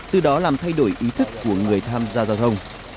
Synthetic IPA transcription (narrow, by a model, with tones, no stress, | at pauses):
t̪ɨ˨˩ɗɔ˨˦laː˨˩mt̪ʰa˧jɗo˧˩jʔi˨˦t̪ʰɨ˦˥kːu˧˩əŋɨ˨˩əjt̪ʰaː˧mzaː˧wzaː˧wt̪ʰə˧wŋ͡m